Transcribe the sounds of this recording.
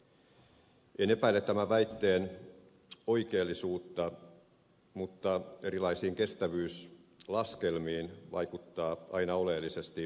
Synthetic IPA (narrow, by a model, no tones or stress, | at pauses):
ene̞pæilːˑet̪t̪ːæmæʋæit̪ːeːn | o̞ikeːlːisuːt̪ːɑ | mut̪ːɑe̞ɾilɑisiːŋke̞st̪æʋyːslɑskelmiːnʋɑ̰ikut̪ːɑːʔɑinɑo̞lelːisest̪i